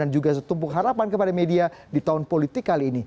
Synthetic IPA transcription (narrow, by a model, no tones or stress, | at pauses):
and͡ʒuɡas̬ət̪umpʊkɦaɾapankəpadamediadit̪aʊnpolit̪ɪkːaliːni